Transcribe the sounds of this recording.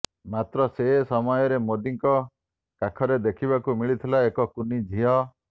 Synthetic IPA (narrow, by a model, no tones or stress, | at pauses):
mat̪ɾɔsesɔmɔjɔɾemod̪iŋkɔ | kakʰɔɾed̪ekʰiβakumiɭit̪ʰilaekɔkunid͡ʒʱiɦɔ